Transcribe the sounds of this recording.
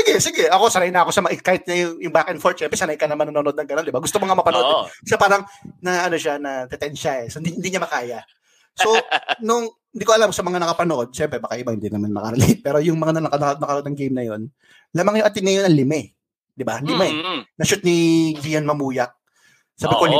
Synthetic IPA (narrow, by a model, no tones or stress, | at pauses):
sɪɡɛsɪɡɛʔɐko̞sɐɾajnɐɐko̞sɐmɐɪkaːhɪt̪̚ɲɐjʊŋjʊŋbaːkɛnfoɹt̪̚ʃɛmpɾɛsɐnɐjkɐnɐmanɐnonoʔod̪nɐŋɡɐno̞nd̪ɪbaɡʊst̪omɐŋamɐpɐnʔod̪sɐpaːɾɐŋnɐʔɐno̞ʃanɐt̪ɛt̪ɛnʃaɛsoɪnd̪iɪnd̪iɲamɐkaːjɐ | so̞nʊŋ | hɪnd̪ikoɐlamsɐmɐŋanɐkɐpɐnoʔo̞d̪̚ʃɛmpɾɛbakajabɐŋhɪnd̪inɐmannɐ̰kɐɾɛlejt̪̚pɛːɾojʊŋmɐŋanɐɐkɐnnɐkɐɾd̪nɐŋɡejmnɐjo̞̰n | laːmɐŋjʊŋʔɐt̪ɪd̪̚nɐjonɐŋlɪmɛ | d̪ɪbalɪmɛnɐʃʊt̪̚nid͡ʒijɐnmɐmuːjɐk̚ | saːbɪkol